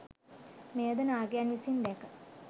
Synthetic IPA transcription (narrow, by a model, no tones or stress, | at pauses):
meːd̪ɐnaːɡjanisind̪ekə